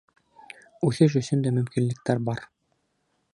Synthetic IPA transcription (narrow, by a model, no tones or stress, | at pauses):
ʉθɘʃ̬ɵ̆sɵnd̪æmɵ̆mkinlɘ̆k̚t̪æɾbɑɾ